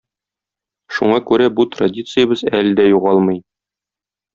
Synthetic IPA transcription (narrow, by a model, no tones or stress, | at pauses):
ʃuɴɑkʉɾæbut̪rɐdʲit̪sɨjəbɤzæld̪æjuʁɑlˠmɤj